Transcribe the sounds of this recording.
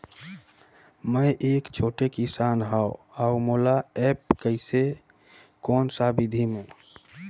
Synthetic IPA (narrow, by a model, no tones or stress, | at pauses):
məjʔeːkt͡ʃʰoːʈekisaːnɦaoaumolaɛp̚kəɪse | kɔːnsabid̪ʱimẽ